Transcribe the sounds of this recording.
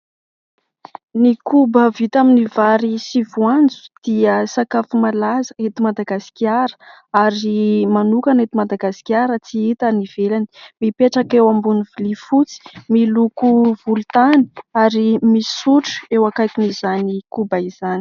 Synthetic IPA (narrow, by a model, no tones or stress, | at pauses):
nikʰubəvit̪aminivaɾisivuand͡zu̥d̪̥iəsakafumalazəet̪imad̪aɡasi̥kiaɾə̥ | aɾimanukanet̪imad̪aɡasi̥kʲaɾət͡siit̪aniv̥elanimipeʈ͡ʂakewambunivilifut͡si̥milukuv̥ult̪ani̥aɾimisuʈ͡ʂu̥ewakajkinizanikubaiz̥ani̥